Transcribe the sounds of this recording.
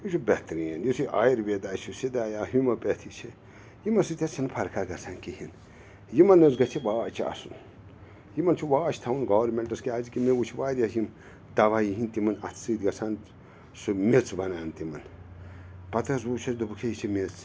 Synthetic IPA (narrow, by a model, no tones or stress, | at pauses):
jut͡ʃʰubɛt̪ɾijenjisiʔa̰ːjiɾʋed̪aːt͡ʃʰusid̪aːjaːɦumɐpet̪ʰit͡ʃʰi | jimɐsɨt̪ʲɐt͡ʃʰɐnpʰɐɾkʰaɡɐsaːnkihin | jimɐnɐzɡɐt͡ʃʰibaːt͡ʃʰiɐ̰sun | jimɐnt͡ʃʰuʋaːt͡ʃʰt̪ʰɐwunɡɔːʋɾmeɳʈɐskiaːzikimewut͡ʃʰiʋaːɾʲjasim | d̪̥ɐʋajiɦĩnt̪imɐnɐ̰t̪ʰsɨːd̪ɡɐsan | sɨmet͡sbɐnaːnt̪imɐn | pɐt̪ɐs̬ut͡ʃʰɐsd̪ubukʰejit͡ʃʰimet͡s